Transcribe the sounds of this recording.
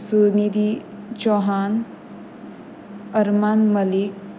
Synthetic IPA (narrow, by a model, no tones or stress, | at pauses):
sunid̪i | d͡ʒɔɦan | əɾmanməlik